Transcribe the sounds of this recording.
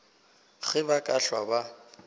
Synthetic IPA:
ɣɪbakʼaɬwaba

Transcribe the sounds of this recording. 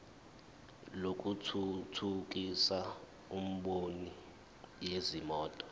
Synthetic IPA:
lok̬ʼutʰutʰuk̬ʼisa | um̩ɓoni | jezimɔːtʼɔ̥

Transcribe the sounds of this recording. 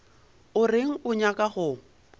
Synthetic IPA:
ʊrɪŋ̩ʊɲakʼaχʊ

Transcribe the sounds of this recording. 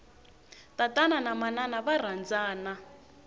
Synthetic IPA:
tatʼananamananaβar̤and͡zaːna

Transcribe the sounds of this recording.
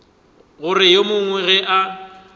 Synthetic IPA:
ɣʊrɪjemʊŋwɛɣɛʔa

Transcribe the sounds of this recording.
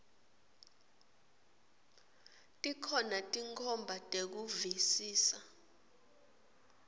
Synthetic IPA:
tʼikʰɔnatʼiŋkʰɔmbʱatʼek̬uvisiːsa

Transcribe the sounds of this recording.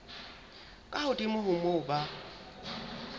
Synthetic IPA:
kʼahʊdʼimʊɦʊmʊba

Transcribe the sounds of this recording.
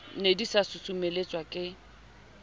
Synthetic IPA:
nedisasʊsʊmelet͡sʼwakʼɪ

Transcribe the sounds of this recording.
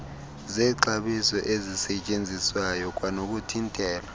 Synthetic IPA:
zɛːǃaɓisɔʔezisɛt͡ʃʼend͡zʱiswajɔk̬ʼwanok̬ʼutʰintʼɛːla

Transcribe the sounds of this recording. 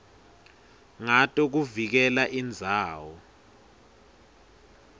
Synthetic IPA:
ŋatʼɔk̬uvik̬ɛlaʔind͡zʱaːwɔ

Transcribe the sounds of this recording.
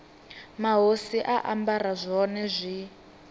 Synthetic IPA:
maɦosiʔaʔambarazʷɔnɛzʷi

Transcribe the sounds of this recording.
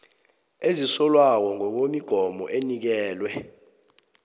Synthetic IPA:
ezisɔlwak̬ɔŋɔk̬omiɡ̥ʱɔmɔ̰ʔenik̬ɛːlwɛ

